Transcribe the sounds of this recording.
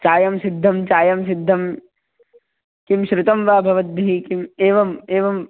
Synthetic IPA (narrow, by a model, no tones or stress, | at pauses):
t͡ʃaːjɐmsid̪ʱːɐmt͡ʃaːjɐmsid̪ʱːɐm | kimʃɾɪt̪ɐmʋaːbʱɐʋɐt̪̚d̪ɐɦikimeːʋɐmeːʋɐm